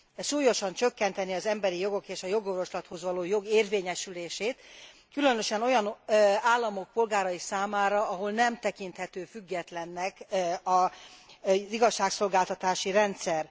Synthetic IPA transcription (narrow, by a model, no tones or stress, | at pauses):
ʃuːjo̞ʃɒnt͡ʃø̞kːɛnt̪ɛniɒzɛmbɛɾijo̞ɡo̞keːʃɒjo̞ɡo̞rvo̞ʃlɒt̪ho̞zʋɒloːjo̞ɡeːrveːɲɛʃyleːʃeːt̪ | kylø̞nø̞ʃɛno̞jɒnaːlːɒmo̞k̚po̞lɡaːɾɒisaːmaːɾɒɒɦo̞lnɛmt̪ɛkint̪hɛt̪øːfyɡːɛt̪lɛnːɛkɒ | ziɡɒʃːaːkso̞lɡaːlt̪ɒt̪aːʃiɾɛnt̪sɛr